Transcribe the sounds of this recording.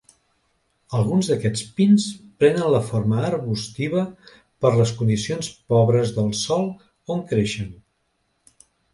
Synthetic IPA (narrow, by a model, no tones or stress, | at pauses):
əlˠɣunzðəkɛt͡spinspɾɛnənləfoɾməːɾβust̪iβə | pəɾləskund̪isionspɔβɾəzðəlˠsɔlˠ | oŋkɾeʃən